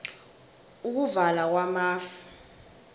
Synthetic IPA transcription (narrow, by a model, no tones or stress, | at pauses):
uk̬uvalak̬wamaːfu̥